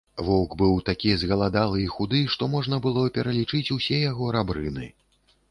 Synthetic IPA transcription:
vɔwkbɨwt̪akʲizɣɐlˠad̪alˠɨixud̪ɨʂt̪ɔmɔʐn̪ɐbɨlˠɔpʲɛɾɐlʲit͡ʂɨt͡sʲusʲɛjaɣɔɾabɾɨnɨ̰

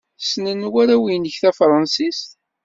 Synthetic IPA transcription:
snənwæɾæwinəçθæfɾˤɑnsist̪

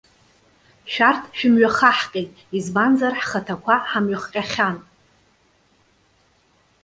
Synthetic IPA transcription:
ʃᶣartʰʃᶣɪmɥaχaħqʲʼejtʼizbanzarħχətʰakʷʰaħamɥaχqʲʼaχʲan

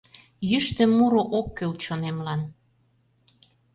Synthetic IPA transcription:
jyʃt̪ĕmːuɾoʔokːølt͡ɕonemlɑn

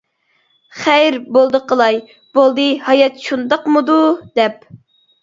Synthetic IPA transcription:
χæjɾbolˠd̪əqəlˠɑj | b̥olˠd̪ɨhɑjɑt̪ʃund̪ɑqmɨd̪ud̪ɛp̚

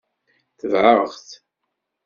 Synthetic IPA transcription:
θəvʕəʁθ

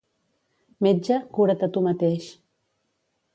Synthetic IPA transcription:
med͡ʒakuɾat̪at̪umat̪eʃ

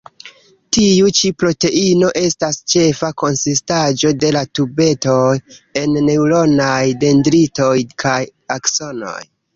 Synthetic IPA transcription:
tiut͡ʃipɾo̞te̞ino̞ʔe̞stast͡ʃe̞fako̞nsistad͡ʒo̞de̞latube̞to̞je̞nːe̞wlo̞najde̞ndɾito̞jkʰajakso̞no̞̰j

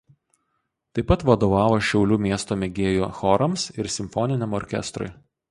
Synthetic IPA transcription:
t̪ɐɪpɐt̪ʋɐd̪oːʋɑːʋoːʃʲɛʊlʲuːmʲiɛst̪oːmʲɛɡʲeːjuːxɔɾɐmsɪɾsʲɪmʲfɔnʲɪnʲɛmɔɾʲkʲɛ̰st̪ɾʊ̰ɪ

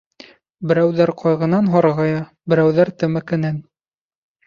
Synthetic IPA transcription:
bɘ̆ɾæwðæɾqʰɑjʁɤ̆nɑnɦɑɾʁɑjɑ | bɘ̆ɾæwðæɾt̪ɘ̆mæ̆kɘ̆næn

